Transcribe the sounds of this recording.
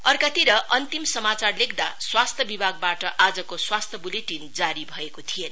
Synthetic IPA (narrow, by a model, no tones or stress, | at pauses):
ʌrkat̪iɾʌʔʌnt̪imsʌmat͡sarlekʰd̪aswast̪ʰjʌbibʱaɡ̚baʈʌʔad͡zʌkoswast̪ʰjʌbuleʈind͡zaɾibʱʌekot̪ʰijen